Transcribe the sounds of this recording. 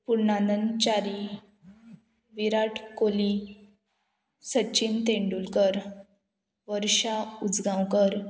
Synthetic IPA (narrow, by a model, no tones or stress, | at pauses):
puɾɳanənt͡ɕaɾi | ʋiɾaʈʰkoli | sət͡ɕint̪eɳɖulkəɾ | ʋəɾɕaud͡zɡãwkəɾ